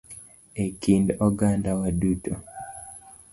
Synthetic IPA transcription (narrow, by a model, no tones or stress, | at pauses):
ekindɔɡandawaduto